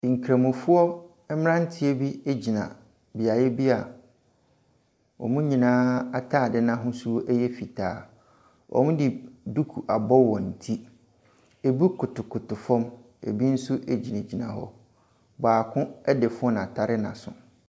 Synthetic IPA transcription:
ŋ̩˨kʰɾa˨mʊ̃˨fʊ˦ɔ˦ | ɛ˦m˦ã˦n̩˦tʰɪ˦e˦bi˦e˦d͡ʑi˨nã̰˨ | bi˨a˨jɛ˦bi˦a˨ | wɔ̰˨mũ˦ɲĩ˨nãː˦a˨tʰaː˦˨dɪ˦nã˦ɦʊ̃˦su˦ɔ˦ʔɛ˦jɛ˦fi˨tʰaː˨˦ | ʔɔ̰˨mũ˦dɪ˨du˦kʰu˨ʔa˨bɔ˦wɔ̃˨n̩˨tʰi˦ | e˨bu˦kʰʊ˨tʊ˨kʰʊ˨tʊ˨fɔ̃˦m | ḛ˨bi˦n̩˦su˦ʔe˨d͡ʑi˨nã˨d͡ʑi˨nã̰˨ɦɔ̰˦ | baː˨kʰʊ̃˦ɛ˦dɪ˨fʊ˦ɔ˦nã˨tʰa˨ɾɪ˦nã̰˨sʊ̰̃˨

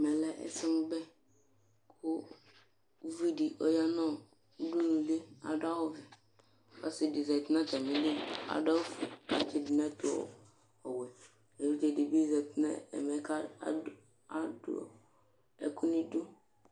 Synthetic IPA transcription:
mɛ˨lɛ˦ʔɛ̰˦sɪ˦mʊ˦bɛ˦ | kʰʊ˦ | vi˦di˨ʔɔ˦ja˦nɔ̃˦ | u˦du˦nũ˨li˦a̰˨da˦wɔ˦vɛ˨ | a˦si˨di˨zɛ˨t̪na˦t̪ɛ˨mi˨li˦a̰˨dɔ˦fu˨a̰˨t͡ʃɪ˦dɪ˨nɛ˦t̪ʊ˨ɔ̰˨ | ɔ˨wɛ˨ | e˨vi˦d͡ʒɛ˨di˨bi˦zɛ˨tna̰˦ɛ̰˨mɛ˨˦ka̰˦ | a˦dʊ̰˦ɔ̰˨ | ɛ˨kʰʊ˦nĩ˦dʊ˦

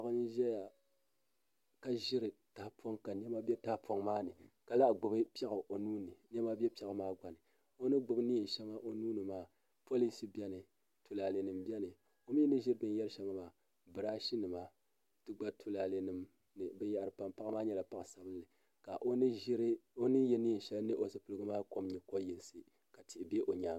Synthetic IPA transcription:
a˦kɨ˦n˦ʒɛ˦ja˨ | ka˨ʒɪ˦ɾɨ˨ta˨hpʰo˦ŋka˨n˦ɛ˦ma˦bʲɛ˦ta˦hpo˦ŋmaː˦nɨ˨ka˨la˦ʔɡ͡bʊ˨bɨ˦pɛ˦ɣa˨ʔo˨nuː˦nɨ˨n˦ɛ˦ma˦bɛ˦pi˦ɛ˨kmaː˦ɡa˨nɨ˨ | o˦nɨ˦ɡ͡bʊ˨bɨ˦ni˦i˨n˨ʃɛ˦ŋa˦ʔo˦nuː˦nɨ˨maː˦ | po˦li˦si˦bʲɛ˦nɨ˨ | tʰu˨la˨le˨nɨ˨mbɛ˦nɨ˨ | o˦mi˦nɨ˦ʒi˦ɾbɨ˦n˦jɛ˦lɨ˦ʃɛ˦ma˦maː˦ | bɨ˨ɾaː˦ʃi˦nɨ˨ma˦ | tɨ˦ɡ͡ba˦tʰu˦la˨le˨nɨ˨m | nɨ˨bɛ˦ja˦˨ɾɨ˨pa˨mpa˦kmaː˦ɲɛ˦la˨pa˦ksa˨bɨ˦lːɨ˨ | ka˨ʔo˦ɾo˦nɨ˦jɛ˦ni˦˨n̩˨ʃɛ˦lnɨ˦ʔo˨sɨ˨pɨ˨lɨ˦ɡɨ˦maː˦ko˦mɲɛ˨ko˦jɛ˨lsɨ˨ | ka˨tʰi˨be˦ʔo˨ɲaː˦

